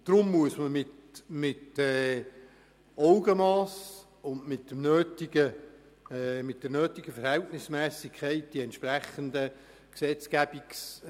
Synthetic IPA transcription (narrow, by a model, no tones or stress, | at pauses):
d̪̥rʊmːuəsməmɪtmɪtɛː | ɔwɡəmɑːs | ʊndmɪtdəmnøːtiɡ̥ə | mɪt̚d̥̪ənøːtɪɡ̥əfəɾhɛltnɪsmɛːsɪkʰːɛɪt̚d̥iɛntʃpræχənd̪ə | ksɛt͡skæb̥iks